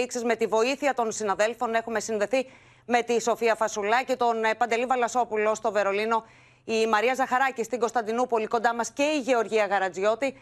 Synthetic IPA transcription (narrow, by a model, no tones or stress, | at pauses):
iksizme̞t̪ivo̞iθiɐt̪o̞nsinɐðe̞lfo̞ne̞xume̞sinðe̞θi | me̞t̪iso̞fiɐfɐsulɐcit̪o̞npɐnd̪e̞livɐlɐso̞pulo̞st̪o̞ve̞ɾo̞lino̞ | imɐɾiɐzɐxɐɾɐcist̪iɡo̞st̪ɐnd̪inupo̞liko̞nd̪ɐmɐsce̞iʝe̞o̞ɾʝiɐɣɐɾɐd͡zo̞t̪i